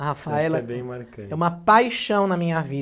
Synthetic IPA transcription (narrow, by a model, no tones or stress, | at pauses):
ɐhafaɛlɐbẽj̃maɾkɐ̃ɛũmɐpajʃɐ̃w̃nɐmĩɲɐvi